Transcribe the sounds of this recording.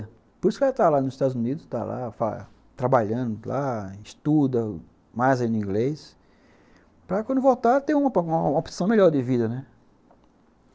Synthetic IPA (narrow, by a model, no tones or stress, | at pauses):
poɾisʊkat̪alanʊzɪʃt̪ad̪ʊzunid̪ʊst̪a̰la̰fa̰ | t̪ɾabaʎɐ̃d̪ʊlaɪʃt̪ud̪ɐ | majzaĩnʊĩɡlejs | pɾɐkw̃nd̪ʊvot̪aɾt̪ẽj̃ũmɐũmɐopozi̥sɐ̃w̃meʎɔɾd̪ɪvid̪ɐnɛ